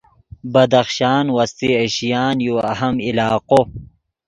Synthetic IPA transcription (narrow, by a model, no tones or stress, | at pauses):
bɐd̪ɐxʃaːnwɐst̪ieɕijaːnjoɐɦɐmilaːqo